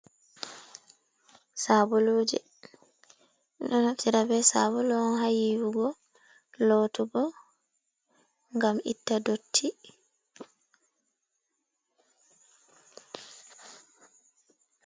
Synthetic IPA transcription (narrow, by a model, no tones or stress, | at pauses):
saːbɔloːd͡ʒɛ | iɗɔnaftiɾabɛsa̰bɔlɔnɦajiwuɡɔ | lɔtuɡɔ | ŋɡamʔḭtːadotʰːi